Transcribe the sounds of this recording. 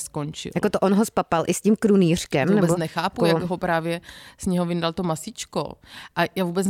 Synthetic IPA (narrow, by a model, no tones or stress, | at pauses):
skont͡ʃɪ̰ljakot̪oʔonɦospapalʔɪscimkɾuniːr̝̥kɛmnɛbonɛxaːpujaɡɦopɾaːvjɛsɲɛɦovɪndalt̪omasɪt͡ʃko̰ʔajaːvuːbɛt͡s